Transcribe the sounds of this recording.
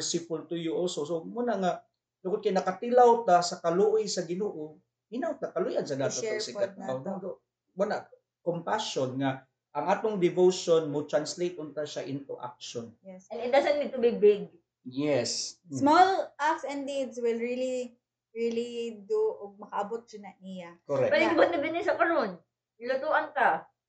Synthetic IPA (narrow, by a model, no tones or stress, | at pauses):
ɹsɪpʊlt̪ʊjuʔolsosomunaŋa | dʊkod̪̚kɐjnɐkɐt̪ɪlawt̪asɐkɐlʊʔojsɐɡɪnoːʔo | hɪnawt̪akɐlʊjans̬ɐd̪aːtɐtsɪat̪nɐawd̪ad̪o | muna | kompaʃonŋa | ʔɐŋʔaːt̪oŋd̪ɪvowʃonmot̪ɹanslejt̪ʔʊnt̪aʃaʔɪnt̪o̰ʔa̰k̚ʃonjɛsɛnɪt̪̚d̪asɐnmɪt̪ʊbɪbɪɡ̚ | jɛssmolʔaksɛnd̪id̪swɪlɹili | ɹilid̪uʔoɡ̚mɐkɐʔɐbot̪̚d͡ʒʊnɐnɪjakoɾɛkpɛlɪbot̪̚ːɪbɪnɪsɐpɐnon | lʊt̪uʔɐnka